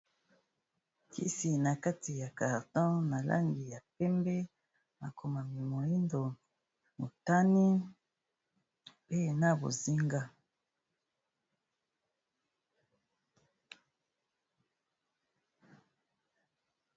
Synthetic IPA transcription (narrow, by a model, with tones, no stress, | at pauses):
kʰḭ˦si˨na˨ka˦ti˨ja˨ka˨ʁtɔ̃˦na˨la̰˦ŋɡi˨ja˨pɛ˦mbɛ˦ | ma˨kʰo˨ma˨mi˨mo˨i˦ndo˨ | mo˨ta˦ni˦ | pe˦na˦bo̰˨zi˦ŋɡa˦